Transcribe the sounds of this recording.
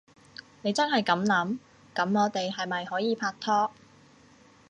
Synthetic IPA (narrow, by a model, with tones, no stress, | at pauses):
ne˨˧jt͡sɐ˥nhɐ˨jkɐ˨˥mlɐ˨˥m | kɐ˨˥mŋɔː˨˧t̪e˨jɦɐ˨jmɐ˨jhɔː˨˥jiː˨˧pʰaː˧k̚t̪ʰːɔː˥